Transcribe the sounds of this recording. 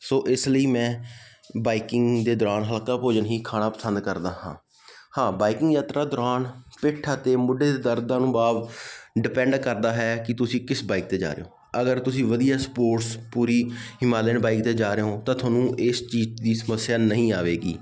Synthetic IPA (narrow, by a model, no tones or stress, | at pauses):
soːʔɪsləiːmɛ̃ː | baːikɪŋɡd̪eːd̪ʊɾaːnɦəlkaːpoːd͡ʒənɦiːkʰaːnaːpəsə̃nd̪kəɾd̪aːhã̰ː | hãːbaːikɪŋɡjaːt̪ɾaːd̪ʊɾaːnpɪʈʰːaːt̪eːmʊɖːeːd̪eːd̪əɾd̪ãːnũːbaːʋɖɪpɛ̃ːɳɖkəɾd̪aːɦɛːkɪt̪ʊsĩːkɪsbaːik̚t̪eːd͡ʒa̰ːɾḛːo̰ː | əɡəɾt̪ʊsĩːʋəd̪ijaːspoːʈspuːɾiːhɪmaːleːnbaːikt̪eːd͡ʒaːɾeõːt̪ãːt̪ʰaːnũːʔɪst͡ʃiːd͡ʒd̪iːsəməsːjaːnəɦĩːaːʋeːɡḭː